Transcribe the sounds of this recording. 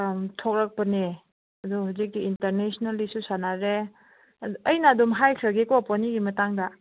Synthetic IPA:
tʰok̚ɾɐk̚pɐne | ɐduhuzik̚diinteɾnesnalisusanaɾe | ɐjnadumɦajkʰɾɐɡekoponiɡimɐtaŋdɐ

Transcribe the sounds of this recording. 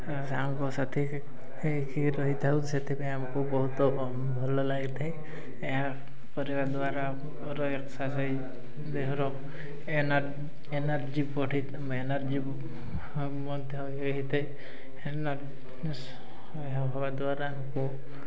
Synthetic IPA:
samkɔsat̪ʰi | kiɾɔɦit̪ʰauset̪ʰebeamakubɔɦut̪ɔ | bʱɔlɔlaɡit̪ʰaj | eɦa | kɔɾibad̪ʊaɾa | ɾɔeksasɔj | d̪eɦɔɾɔ | en | enaɾd͡ʒipɔʈʰit̪ | enaɾd͡ʒi | mɔd̪ʱjɔɦjeɦit̪ʰej | enaɾ | eɦãɦɔbad̪waɾamkũ

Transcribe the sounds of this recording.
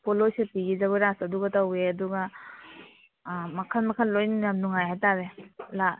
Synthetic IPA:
pʰolosepiɡid͡ʒɐβaɾasɐduɡɐtaweɐduɡɐ | mɐkʰɐlmɐkʰɐllojnajamnuŋajhajtaɾela

